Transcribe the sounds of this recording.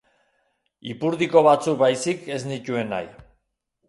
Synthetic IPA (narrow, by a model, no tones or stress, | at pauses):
ipuɾðiko̞β̞at͡suk̚bajsike̞znic̪ue̞na̰j